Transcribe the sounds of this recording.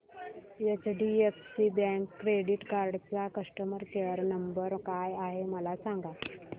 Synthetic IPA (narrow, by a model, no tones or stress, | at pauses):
jət͡sɖiefsibɛ̃ŋkːɾeɽiʈkaɾɖt͡sakəʂʈəməɾkeəɾnəmbəɾkajaɦeməlasãŋɡa